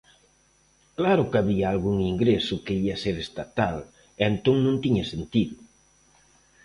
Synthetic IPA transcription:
klaɾʊkaβiaalɣuŋiŋɡɾesʊkeiaseɾest̪at̪al | ent̪oŋnõnt̪iɲɐsent̪iðʊ

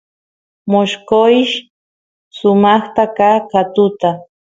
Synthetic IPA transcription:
moʃkoʃ | sʊmɑχt̪akakat̪ʊt̪a

